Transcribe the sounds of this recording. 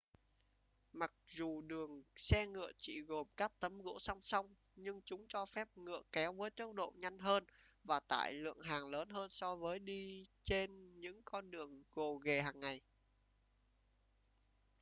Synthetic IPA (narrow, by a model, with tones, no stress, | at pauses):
ma˨˩k̚zu˨˩ɗɨ˨˩əŋsɛ˧ŋɨ̰˧˨ət͡ɕḭ˧˨ɣo˨˩mkaː˦˥k̚t̪ə˨˦mɣo̰˧˥sa˧wŋ͡msa˧wŋ͡m | ɲɨ˧ŋt͡ɕʊ˨˦ŋ͡mt͡ɕɔ˧fɛ˦˥p̚ŋɨ̰˧˨əkɛ˨˦wvəː˨˦jk̪ə˦˥w̚ɗo̰˧˨ɲa˧jŋ̟ɦəː˧nvaː˨˩t̪a̰ː˧˨jlɨ̰˧˨əŋɦaː˨˩ŋləː˨˦nɦəː˧nsɔ˧vəː˨˦jɗi˧t͡ɕe˧nɲɨ̰˧˥ŋkɔ˧nɗɨ˨˩əŋɣo˨˩ɣe˨˩haː˨˩ŋːa˨˩j